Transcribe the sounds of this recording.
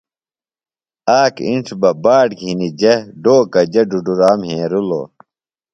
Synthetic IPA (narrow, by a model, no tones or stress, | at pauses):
aːkḭnʈ͡ʂʰbɐbaːʈɡʱinid͡ʑɐɖoːkɐd͡ʑɐɖuɖuɾaːmɦẽːɾulo̰ː